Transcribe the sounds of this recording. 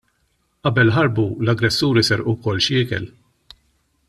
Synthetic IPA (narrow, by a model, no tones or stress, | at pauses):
ʔɐbɛlħɐɾbulɐɡɾɛsːuːɾisɛɾʔuwkɔlːʃɪːkɛ̰l